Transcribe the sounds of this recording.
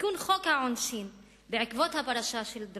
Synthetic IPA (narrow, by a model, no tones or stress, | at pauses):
kunχokhaʕonʃin | beʕikvo̞t̪hapaʁaʃaʃeld̪